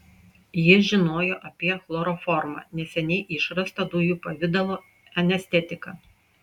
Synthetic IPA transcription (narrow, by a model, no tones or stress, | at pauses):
jɪʒʲɪnoːjoːʔɐpʲiɛxlˠoɾɔfɔɾmɐ̰nʲɛsʲɛnʲɛɪʔɪʃɾɐst̪ɐd̪ujuːpɐʋʲɪd̪ɐlˠoː | ɛnʲɛsʲt̪ʲɛt̪ʲɪkɐ